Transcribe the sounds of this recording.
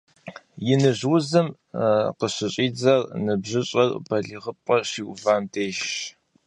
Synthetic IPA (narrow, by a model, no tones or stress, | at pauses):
jɪnɨʑwzɨm | qəɕɪɕʼiːd͡zɐrnɨbʑɪɕʼɐrbʰɐɮiʁəp̚ʼɐɕiːʔʷʊvaːmtʰeːʃ